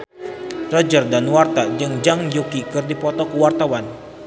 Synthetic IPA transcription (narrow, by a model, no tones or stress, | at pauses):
rɔd͡ʒərdanwart̪ad͡ʒɨŋd͡ʒaŋjukikɨrdipɔt̪ɔkuwart̪awan